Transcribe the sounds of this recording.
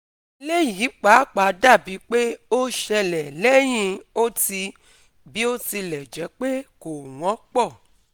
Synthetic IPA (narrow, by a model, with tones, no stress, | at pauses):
le˦ji˨˦k͡pa˨˦k͡pa˨˦da˦˨bi˨˦k͡pe˦o˦ʃɛ˧lɛ˨lɛ˦j̃ĩ˧o˦ti˧ | bi˦o˦ti˧lɛ˨d͡ʒɛ˨˦k͡pe˦ko˨w̃ɔ̃˨˦k͡pɔ˦˨